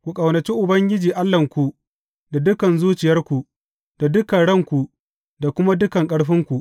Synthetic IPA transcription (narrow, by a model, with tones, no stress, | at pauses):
kʷu˨kʼɐ˨wnɐ˨t͡ʃi˦ʔʊ˨bɐ˦ŋɡʲɪ˦d͡ʒiː˨ʔa˦lːɐ˨ŋkʷu˨ | da˨dʊ˦kɐ˨nzuː˦t͡ʃɪ˨jɐ˦rkʷu˨ʔ | d̥a˨dʊ˦kɐ˨ɽɐ˦˨ŋkʷu˨ | da˨kʷʊ˦ma˦dʊ˦kɐ˨ŋkʼɐ˦ɽɸɪ˦ŋkʷu˨ʔ